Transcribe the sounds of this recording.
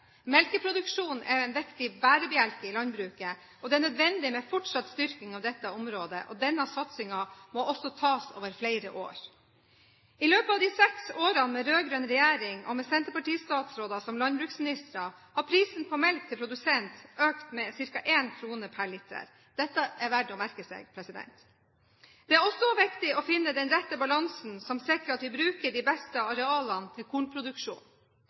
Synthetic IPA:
mɛlkəpʰɾʊd̪ʉkʂuːnɛɾɛnʋɛkt̪ɪbæːɾəbɛælkəɪlɑnbɾʉːkə | ɔd̪ɛænœd̪ʋɛnd̪ɪmɛfɔʈʂɑt̪st̪ʏɾkɪŋɑʋd̪ɛt̪ːəɔmɾoːd̪ə̰ʔɔ̰d̪ɛnːɑsɑt̪sɪŋɑmɔɔsɔt̪ʰɑːso̰ːʋəɾflæɪɾəʔo̰ːɾ | ɪløːpəɑʋd̪iːsɛksoːɾɑnmɛɾøːɡɾøːnɾɛjeːɾɪŋɔ̰mɛsɛnt̪əpɑʈiːst̪ɑːt̪sɾoːd̪ɑsɔmlɑnbɾʉːksmɪnɪst̪ɾɑ | hɑɾpʰɾiːsn̩pʰɔmɛlt̪ʰːɪlpʰɾʊd̪ʉsɛnt̪øːkt̪mɛsɪɾkɑʔeːnkʰɾuːnəpʰæɭɪt̪ʰə̰ɾ | d̪̥ɛt̪ːəʔæɾʋæɖɔmæɾkəsɛ̰ːɡpʰɾɛsɪd̪ɛ̰nt̪ | d̪̥ɛæɾɔsɔʋɪkt̪ɪɔfɪnːəd̪ɛnɾɛt̪ːəbɑlɑŋsn̩sɔmsɛkəɾɑt̪ʋɪbɾʉːkəɖiːbɛst̪əɑɾɛɑːlɑnt̪ʰɪlkʰuːɳpʰɾʊd̪ʉkʂṵːn

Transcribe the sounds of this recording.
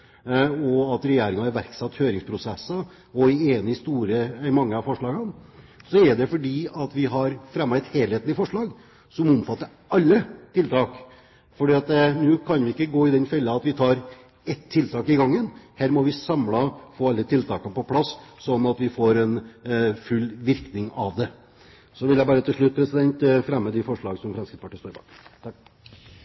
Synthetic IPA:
ɔɑt̪ɾɛjeːɾɪŋɑɛɾʋæɾksɑt̪ːhøːɾɪŋspʰɾʊsɛsːə | ɔɛeːnəɪst̪uːɾəmɑŋːəɑfɔʂɭɑːɡənsɔɛɾɖ̪ɛfɔɖiːɑt̪ʋɪɦɑɾfɾɛmːɑɛt̪heːlheːt̪n̩ɪfɔʂɭɑːɡ | sɔmʊmfɑt̪ːəɾ | ɑlːət̪ʰɪlt̪ʰɑːk | fɔɖiːɑt̪nʉːkʰɑnʋɪɪkːəɡoːɪd̪ɛnfɛlːəɑɑt̪ʋɪt̪ʰɑːɾ | ɛt̪ʰːɪlt̪ʰɑːkɪɡɑŋːənhæːɾmɔʋɪsɑmlɑfoːɑlːət̪ʰɪlt̪ʰɑ̰ːkɑpɔpʰlɑsːɔnɑt̪ʋɪfoɾɛnfʉlːʋɪɾknɪŋɑ̰ʋd̪ɛ | sɔʋɪljæɪbɑːɾət̪ʰɪlʂɭʉt̪̚pʰɾɛsɪd̪ɛnt̪fɾɛmːəd̪ɪfɔʂɭɑːɡsɔmfɾɛnmskɾɪt̪spʰɑʈiːst̪oːɾɪbɑ̰ːk̪

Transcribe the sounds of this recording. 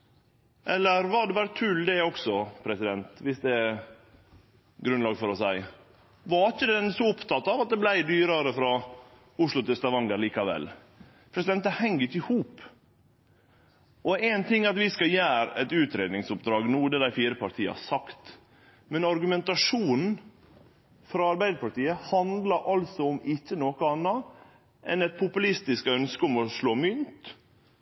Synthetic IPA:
ʔɛlːəɾʋɑɖɛbɑːɾət̪ʰʉld̪ɛɔksɔpʰɾɛsɪd̪ɛnt̪ʋɪsd̪ɛ | ɡɾʉnlɑːɡfɔɾɔsæɪ | ʋɑɾɪçəd̪ɛɛnsɔʊpt̪ʰɑt̪ːɑʋɑt̪̚d̪ɛblæɪd̪yːɾɑɾəfɾɑ | ʊʂlʊt̪ʰɪlst̪ɑʋɑŋləɾliːkɑʋɛ̰lː | pʰɾɛsɪd̪ɛnt̪ːəhɛŋːəɾɪçəɪhuːp | ɔɛɪnt̪ʰɪŋːɑt̪ʋɪskɑjæːɾɛ̰t̪ʉːt̪ɾeːd̪nɪŋsʊpd̪ɾɑːɡnuːd̪ɛd̪æɪfiːɾəpʰɑɾʈ̪ʰiːə̰ɑ̰sɑkt̪ | mɛnɑɾɡʉmɛnt̪ɑʂuːnn̩ | fɾɑɑɾbæɪd̪əɾpʰɑʈ̪iːəhɑnd̪lɑɾʔɑlsɔɔmɪt͡ʃːənoːkəɑnːɑ | ʔɛnɛt̪̚pʰʊpʉlɪst̪ɪskœnskəɔmɔʂloːmʏnt̪

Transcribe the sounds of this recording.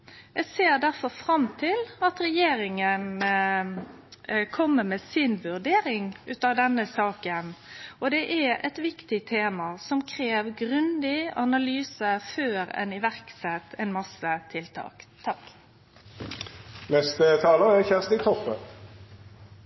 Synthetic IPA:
ɛseːʁd̪æʁfɔɾfʁɑmt̪ʰɪlɑt̪ɾɛjeːɾɪŋən | kʰɔmːəmesɪnʋʉʁd̪eːɾɪŋʉːt̪ɑʋd̪ɛnəsɑːkənʔɔd̪ɛʔæɛ̰t̪ʋɪkt̪ɪt̪ʰeːmɑsɔmkʰɾeːʋɡʁʉnd̪ɪɑnɑlyːsəføːɾɛ̰nɪʋæʁksɛt̪ːɛɪnmɑsət̪ʰɪlt̪ʰɑ̰ːkt̪ʰɑk | nɛst̪ət̪ʰɑːləæçæʁst̪ɪt̪ʰɔpːə̰

